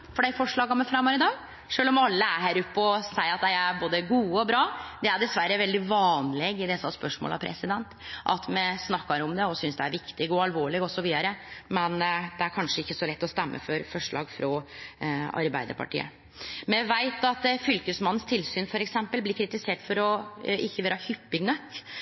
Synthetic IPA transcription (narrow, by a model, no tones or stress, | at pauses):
fɔɖæɪfɔʂɭɑːɡɑmɛfɾɑmɔɾɪd̪ɑːɡ | ʂøːlɔmɑlːəæɾɦæːɾʊpːəɔsæɪɑt̪̚d̪æɪæɾboːd̪əɡuːəɔbɾɑːd̪ɛæɖ̪ɛsʋæɾːəʋɛld̪ɪʋɑːnlɛɡɪd̪ɛsəɑspœʂmo̰ːlʔɑ̰pʰɾʔɛ̰sɪd̪ɛnt̪ʔɑ̰t̪mɛsnɑkːɑɾɔmd̪ɛɔsʏnsd̪ɛæɾʋɪkt̪ɪɡɔɑlʋoːɭɪɡɔsɔʋiːd̪ɑɾəmɛnd̪ɛæɾkʰɑnʂəɪkːəsɔlɛt̪ːɔst̪ɛmːʔə̰fɔɾfɔʂɭɑ̰ːɡfɾɔ | ɑ̰ɾbæɪd̪ə̰ɾpʰɑ̰ʈʰḭːə̰ | mɛʋæɪt̪ɑt̪fʏlkəsmɑnːn̩st̪ʰɪlsyːnfɔɾɛksɛmpəlblɪɾkʰɾɪt̪ɪseːʈfɔɾɔɪçːəʋeːɾɑhʏpːɪɡnœkː